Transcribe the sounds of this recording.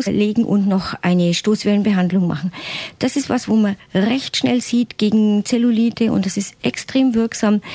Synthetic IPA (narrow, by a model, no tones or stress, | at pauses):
leːɡŋ̩ʔʊ̰ntnɔχʔa̰ɪnəʃtoːsv̥ɛlənbəɦandlʊŋma̰χn̩d̥asɪstvasvoːmanʁɛçtʃnɛ̰lziːtɡ̥eːɡŋ̩t͡sɛluliːtʰəʊ̰nt̚d̥asɪstʔɛkstʁ̥eːmvɪɐksaːm